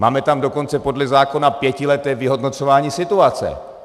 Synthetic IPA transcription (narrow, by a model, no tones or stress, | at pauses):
maːmɛt̪amdo̞ko̞nt͡sɛpo̞dlɛzaːko̞napjɛcɪlɛt̪ɛːvɪɦo̞dno̞t͡sovaːɲiːsɪt̪uat͡sɛ̰